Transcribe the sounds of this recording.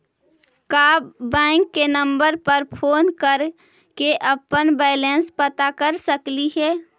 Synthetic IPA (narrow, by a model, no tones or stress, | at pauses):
kaːbːɛ̃ɪŋkːenəmbəɾpəɾpʰoːnkəɾ | keʔəpənbɛɪlẽnspət̪akəɾsəkliɦɛː